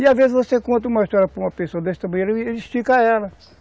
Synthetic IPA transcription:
iavezɪzvosekõnt̪ɐũmɐiʃt̪ɔɾjɐpɾɐumɐpesoɐd̪ɛʃt̪ɐmɐ̃ɲeɾɐiʃtikaɛlɐ

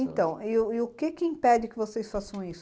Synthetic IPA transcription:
ẽt̪ɐ̃w̃ɪʊɪʊkɪkɪĩpɛd͡ʒɪkɪvosejsfasɐ̃w̃isʊ

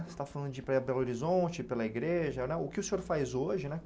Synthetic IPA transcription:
st̪afalɐ̃nd̪ʊd͡ʒɪpɾɐbɛloɾizõt͡ʃɪpelɐiɡɾeʒɐnɛʊkɪʊsẽoɾfajzoʒɪnɛ

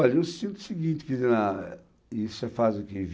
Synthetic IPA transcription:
ɔʎɐewsĩnt̪u̥siɡĩnt̪ɪ̥kzena | isuʒafazukev

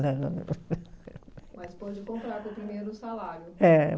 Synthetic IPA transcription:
d̪ɐ | mɐspɔd͡ʒɪkõmpɾaɾppɾimejɾʊsalaɾjʊɛ

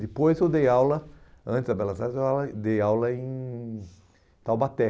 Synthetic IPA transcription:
d̪ɪpojzewd̪ejawlɐɐ̃nt̪ɪzd̪ɐbɛlɐzaɾzewad̪ejawlɐẽj̃ | t̪awbat̪ɛ

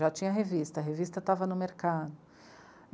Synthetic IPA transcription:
at͡ʃĩɲɐɦevist̪ɐɦevist̪ɐt̪avɐnʊmeɾkad̪ʊ

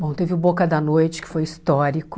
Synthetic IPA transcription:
bõw̃t̪evɪʊbokɐd̪ɐnojt͡ʃɪ̥kɪ̥fojist̪ɔɾikʊ

